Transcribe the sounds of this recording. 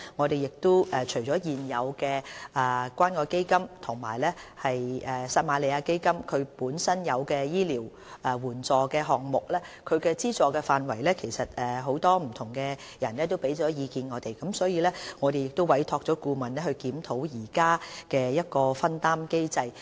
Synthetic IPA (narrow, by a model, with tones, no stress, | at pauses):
ŋɔː˨˧t̪e˨jɪ˨k̚t̪ʊ˥wʔɛː˨t͡ʃʰɵ˨˩ɥt͡ʃɔː˨˥jiː˨njɐ˨˧wkɛː˧ɛː˨kʷaː˥nkɔː˧ke˥jkɐ˥mt̪ʰʊ˨˩ŋma̰ː˨˩jlɛː˥hɐ˨jʔːsaː˧t̚maː˨˧le˨˧jaː˧ke˥jkɐ˥mkʰɵ˨˧ɥpuː˨˥nsɐ˥njɐ˨˧wkɛː˧jiː˥liː˨˩w | ʔɛː˨wuː˨˩nt͡sɔː˨kɛː˧ɦɔː˨˩ŋmʊ˨k̚lɛː˥kʰɵ˨˧ɥkɛː˧t͡siː˥t͡sɔː˨˧kɛː˧faː˨nwɐ˨˩jlɛː˥kʰe˨˩jsɐ˨t̚ɛː˨ɦo˨˥wt̪ɔː˥m̩˨˩t̪ʰʊ˨˩ŋkɛ˧ | jɐ˨˩nlɛː˥t̪̬o˥wpe˨˥jt͡ʃɔː˨˥jiː˨˧kiː˧nŋɔː˨˧t̪e˨jkɐ˨˥msɔː˨˥jiː˧lɛː˥ŋɔː˨˧ɾe˨jɪ˨k̚t̪o˥wɐ˨˥jt̪ʰɔː˧k̚t͡ʃɔː˨˥kuː˧mɐ˨˩nlɛː˥hɵ˧ɥkiː˨˥mt̪ʰo˨˥wjiː˨˩kaː˥kɛː˧jɐ˥t̚kɔː˧fɐ˥nt̪aː˥mke˥jt͡sɐ˧j